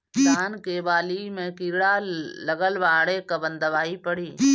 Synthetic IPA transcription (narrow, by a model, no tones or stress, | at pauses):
d̪aːnkeʋaːlimẽkiːɾɽaləɡəlʋaːɽekəbə̃nd̪əʋaːipəɽiː